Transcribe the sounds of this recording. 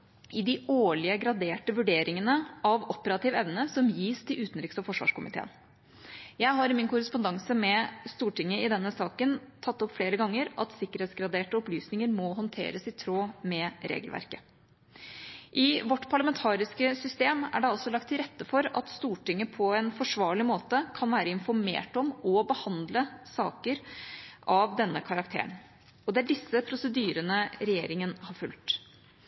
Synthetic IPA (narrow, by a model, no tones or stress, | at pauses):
ɪd̪ɪoːɭɪəɡɾɑd̪eːʈəʋʉɖeːɾɪŋənəʔɑʋɔpəɾɑt̪ʰɪːʋɛʋnəsɔmjiːst̪ʰɪlʉːt̪nɾɪksɔfɔʂʋɑ̰ːʂkʊmɪt̪ʰḛːə̰n | jæɪɦɑɾɪmɪnkʊɾəspʊnd̪ɑŋsəmɛst̪uːʈɪŋːəɪd̪ɛnːəsɑːkənt̪ʰɑt̪ːɔpfleːɾəɡɑŋːəɾʔɑt̪sɪkːəɾeːt̪sɡɾɑd̪eːʈəɔplyːsnɪŋəɾmɔɦɔnt̪ʰḛːɾəsɪt̪ʰɾoːmɛɾḛːɡəlʋæ̰ɾkə | ʔɪʋɔʈːpʰɑɭɑmɛnt̪ʰɑːɾɪskəsʏst̪eːmæ̰ɖɛɑlsɔlɑkt̪ʰːɪlɾɛt̪ːəfɔɾɑ̰t̪st̪uːʈɪŋːəpʰɔɛnfɔʂʋɑːɭɪmoːt̪əkʰɑnʋæːɾəɪnfɔɾmḛːʈɔmɔbəhɑnd̪ləsɑ̰ːkəɾʔɑʋd̪ɛnːəkʰɑɾɑkt̪ʰḛːɳ | ɔd̪ɛæɖɪsːəpʰɾʊsəd̪yːɾənəɾɛjeːɾɪŋənhɑɾfʉlt̪